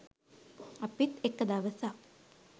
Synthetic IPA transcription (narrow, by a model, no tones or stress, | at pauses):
apit̪ekːəd̪aʋəsa